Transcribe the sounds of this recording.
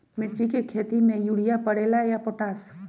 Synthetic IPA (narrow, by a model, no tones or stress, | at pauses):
mɪɾt͡ʃikekʰeːt̪imẽjuːɽijapɐɽeːlajapoːʈaːs